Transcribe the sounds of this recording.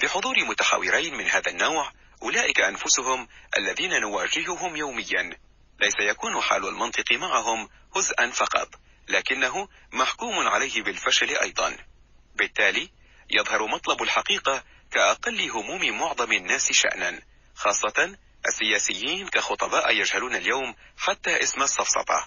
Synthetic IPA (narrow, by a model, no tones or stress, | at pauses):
biħʊðˤuːɾɪmʊt̪aħa̰wːɪɾajnmɪnhaːðanːawʕ | ʔʊlaːʔɪkaʔanfʊsʊɦʊmʔa̰lːaðiːnanʊwaːd͡ʒɪɦʊɦʊmjawmɪjːan | lajsajakuːnʊħa̰ːlalmɑnt̪ˤɨqɨmaʕaɦʊm | hʊzʔanfɑqɑ̰t̪ˤ | laːkɪnːaɦʊ | maħkuːmʊnʕa̰lajhɪbɪlfaʃalʔɑ̰jd̪ˤɑ̰n | bɪt̪ːaːliː | jɑðˤhɑɾˤmɑt̪ˤlɑbalħaqiːqa | kaʔɑqɑlːɪɦʊmuːmɪmʊʕðˤɑmanːaːsɪʃa̰ʔnan | xɑːsˤːɑt̪ | ʔasːɪjaːsɪjːiːnkaxʊt̪ˤɑbaːʔjad͡ʒhaluːnaljawmħat̪ːaːʔɪsmasˤːɑfsˤɑ̰t̪ˤɑ̰